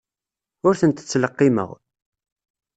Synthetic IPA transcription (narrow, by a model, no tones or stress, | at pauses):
ʊɾθənt̪ə̥t͡sːləqːimə̰ʁ